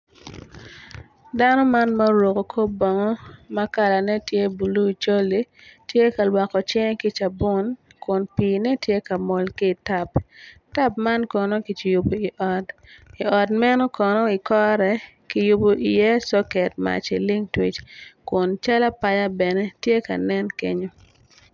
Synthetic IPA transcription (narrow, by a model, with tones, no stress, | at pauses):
da˦nɔ˦ma˦nmɐ˦ɾo˨ko˨kʰo˦bɔ˨ŋɔ˦mɐ˦ka˦la˨nɛ˦tje˦bu˨lu˦i˨t͡ʃo˦li˨˦ | tje˦ka˨lwa˨kɔ˨t͡ʃɛ˦ŋki˦t͡ʃa˨bʊ˦nkʊ˨npiː˨nɛ˦tje˦ka˨mɔ˨lki˦˨ta˨pta˦p̚ma˦nkɔ˨no˦ki˨t͡ʃi˨ju˨bo˨i˨ʔɔ˨di˨ɔ˨dmɛ˦nɔ˦kɔ˨nɔ˦i˨kɔ˦ɾɛ˨ | ki˨ju˨bo˨ʔḭ˨jɛ˦sɔ˦kɛ˨t̚ma̰˨t͡ʃi˨li˦ŋtwi˦t͡ʃkʊ˨nt͡ʃa˦la˦pa˦ja˦bɛ˨nɛ˦tje˦ka̰˨nɛ˦nkḛ˦ɲo˦